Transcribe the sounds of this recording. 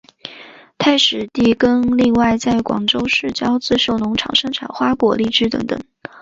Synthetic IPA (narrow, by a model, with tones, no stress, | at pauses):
t̪ʰa˥˩ɪʂɻ̩˨˩t̪i˥˩kə˥nli˥˧ŋwa˥˧ɪt͡sa˥˩ɪkwɑ̰˨˩ŋʈ͡ʂo˥ʊʂɻ̩˥˩t͡ɕjɑ˥ʊt͡sɹ̩˥ʂo˥˩ʊnʊ˧˥ŋʈ͡ʂʰɑ̰˨˩ŋʂɤ˥ŋʈ͡ʂʰa̰˨˩nxwa˥kwɔ̰˨˩li˥˩ʈ͡ʂɻ̩˥t̪ɤ̰˧˥ŋt̪ɤ̰˨˩˦ŋ